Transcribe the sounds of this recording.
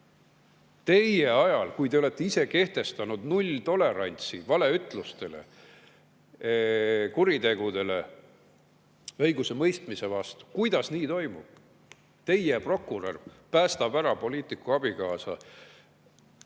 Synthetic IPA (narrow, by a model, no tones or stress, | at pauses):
t̪e̞je̞ɑjɑlkujt̪e̞ole̞t̪ˑːeise̞ke̞ht̪e̞st̪ɑnud̪̥nulʲt̪o̞le̞ɾɑnʲt̪sivɑle̞yt̪ˑlust̪e̞le̞̰ | kuɾid̪e̞ɡ̥ud̪e̞le̞ | ɤjɡusemɤjst̪mise̞vɑst̪u̥kujd̪̥ɑsniːt̪o̞jmub̥̚ | t̪e̞jepro̞kːˑuro̰rpæːst̪ɑb̥æɾɑpo̞liːt̪ˑikːuɑb̥ikɑːsɑ̰